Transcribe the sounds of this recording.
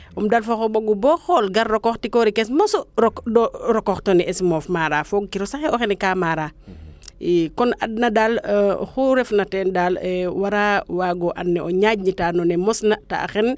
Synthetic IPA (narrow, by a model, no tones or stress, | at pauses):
ʔɔmdalfɔxɔbɔɡubɔxɔlɡɐɾːɔkɔxtikɔɾikɛsmɔsɔɾɔkdɔɾɔkɔxtɔniɛsmɔfmaɾafɔɡ̚kiɾɔsaxɛʔɔxɛnɛkaːmaɾaː | ikɔnad̚nɐdalxuɾɛfnɐtɛndalɛwaɾawaːɡɔʔa̰nːɛɔɲaɟ̚ɲitaːnɔnɛmɔsnɐta̰ːxɛn